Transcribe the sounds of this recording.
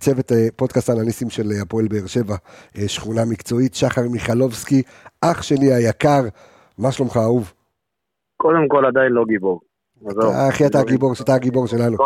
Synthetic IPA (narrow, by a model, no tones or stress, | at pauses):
t͡se̞vet̪epo̞dkastanalisimʃe̞lapoelbeːʁʃe̞vaeʃχunamikt͡so̞itʃaχaʁmiχalo̞vski | ʔaχʃe̞niajakaʁ | maʃlomχaːuv | kod̪emko̞lad̪ainloɡiboʁ | zeχiataɡibo̞ʁataɡibo̞ʁʃe̞lanu